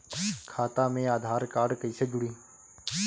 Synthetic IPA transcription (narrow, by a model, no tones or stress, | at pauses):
kʰaːt̪aːmẽːaːd̪ʱaːɾkaːɖkəiːsed͡ʒʊɽiː